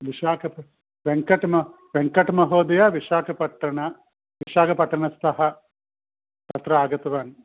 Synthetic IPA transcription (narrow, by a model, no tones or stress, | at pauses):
ʋiʃaːkɐpɐ | ʋeŋkɐʈmɐ | ʋeŋkɐʈmɐɦoːd̪ɐjɐʋiʂaːkʰɐpɐʈːɐɳɐ | ʋiʃaːkʰɐpɐʈːɐɳɐst̪ʰɐɦɐ | t̪ɐt̪ɾɐaːɡɐt̪ɐʋaːn